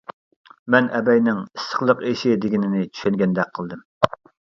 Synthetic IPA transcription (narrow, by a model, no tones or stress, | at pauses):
mɛnʔɛbɛjnɪŋisə̥χlˠəqeʃɪd̪ɪɡʲinɪnɪt͡ʃʰy̥ʃɛŋɡʲɛnd̪ɛk̚ʲqʰəlˠd̪ɨm